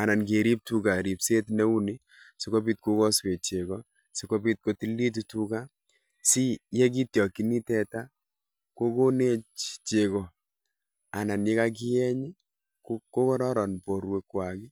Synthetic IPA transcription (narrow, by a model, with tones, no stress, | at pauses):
a˨na˨nke˨ɾi˦p̚tu˦ka˨ɾi˨pse˦tne˦u˦ni˦ | si˦ko˦bi˦t̚ku˦kɔ˦swe˨t͡ʃe˨ɡɔ˨ | si˦ko˦bi˦t̚ko˦ti˦lːi˦t̬utu˦ka˦ | si˦jɛ˦k̬i˦tjɔ˨ki˨ni˦tɛ˨ta˦ | ko˦ko˦ne˦t͡ʃt͡ʃe˨kɔ˨ | a˨na˨nje˦ka˦k̬i˦jɛ˦ɲi˦ | koko˦kɔ˦ɾɔ˦ɾɔ˨npo˨ɾwe˨kwa˨kɪ˦